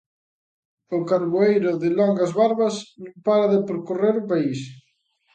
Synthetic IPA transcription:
ʊkaɾβoejɾʊðɪlɔŋɡɐzβaɾβɐsnõmpaɾaðɪpɾokoreɾʊpais

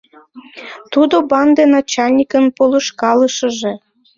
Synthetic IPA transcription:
t̪ud̪obɑnd̪enɑt͡ɕɑlʲnʲikənpolə̆ʃkɑləʃə̆ʒĕ

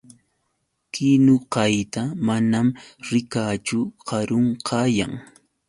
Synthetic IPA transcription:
kɪnʊqɑjt̪amanamɾɪkaːt͡ʃʊqɑɾoɴqʰɑːja̰ŋ

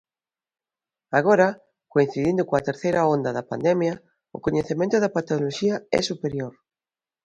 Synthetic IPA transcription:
aɣ̞oɾɐ | koin̟θiðind̪ʊkoɐt̪eɾθejɾɐond̪ɐðɐpa̰nd̪ɛmjɐ | ʊ̰koɲeθemẽnt̪ʊðɐpat̪oloʃiɐɛ̰supeɾjoɾ

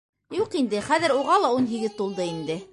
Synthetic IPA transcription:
juqind̪ɘχæðɘ̆ɾuʁɑlˠɑunɦiɡɘðt̪ulˠd̪ɤind̪ɘ

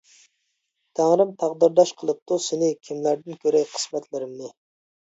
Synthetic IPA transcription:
t̪ʰæŋɾɨmt̪ʰɑʁd̪ɨɾd̪ɑʃqʰəlˠɨp̚t̪usɪnɪkʲʰimlæɾd̪ɪnkʲʰøɾɛjqʰə̥smɛt̪ʰlɪɾɪmnɨ

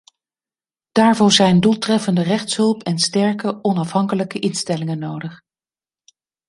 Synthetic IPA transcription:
d̥aːɹvɔɹzɛjndulˠtrɛfəndərɛχtsɦɵlˠpɛnstɛɹkəʔɔnɑfɦɑŋkələkəʔɪnstɛlɪŋənowdəχ

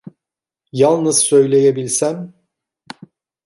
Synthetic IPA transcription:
jalˠnɯz̥sø̞jlʲe̞jebilʲsæn

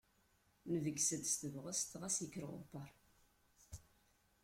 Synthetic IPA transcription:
nəvəɡsəd̪st̪əvʁəst̪ʁæsjəkːɾʁʊ̰pːɑɾˤ

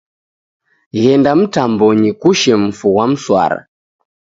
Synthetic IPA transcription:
ɣɛndam̩tambɔɲikuʃɛm̩fuwam̩swa̰ɾa̰

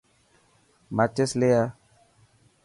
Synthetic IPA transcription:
mat͡ʃesleja

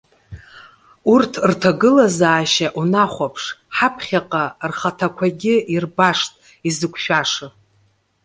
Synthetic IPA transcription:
urtʰrtʰaɡɨlazaːʃaʔunaχʷapʰʂħapʰχʲaqʼarχatʰakʷʰaɡʲɪirbaʂtʼ | izɨkʷʰʼʃᶣaʂɨ

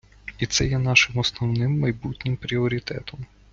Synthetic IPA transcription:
it̪sɛjɛnɑʃɪmɔsnɔwnɪmːɐjbutʲnʲɪmpɾʲiɔɾʲit̪ɛ̰t̪ɔm

